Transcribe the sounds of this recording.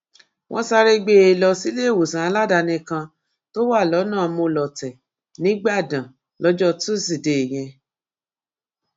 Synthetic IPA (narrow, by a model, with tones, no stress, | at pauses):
wʔɔ̃˦sa˧ɾe˦ɡ͡be˦e˧˨lɔ˧si˦le˦˨wo˨sã˨a˧˦la˦˨da˧nĩ˧kã˧ | to˦wa˦˨lɔ˨˦nãː˦˨˧mõ˧lɔ˨tɛ˨ | nĩ˨˦ɡ͡ba˦˨dã˨ | lɔ˨˦d͡ʒɔ˦tu˦si˦˨de˨j̃ɛ̃˧